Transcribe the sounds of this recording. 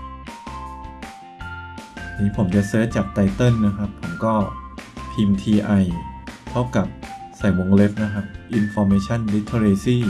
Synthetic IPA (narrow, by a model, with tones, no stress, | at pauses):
niː˦˥pʰo˩˦mt͡ɕa˨˩sɤː˦˥t̪̚t͡ɕaː˨˩k̚t̪a˧˥jt̪ɤ˥˩nːa˦˥kʰa˦˥pʰːo˩˦mkɔː˥˩t̪ʰiː˧mt̪ʰiː˧ʔa˧jt̪ʰa˥˩wka˨˩p̚ | sa˨˩jwo˧ŋle˦˥p̚na˦˥kʰa˦˥p̚ʔi˧nfɔː˧meː˧˥t͡ɕʰa˥˩˨nli˦˥t̪ʰːo˧ɾeː˧siː˥˩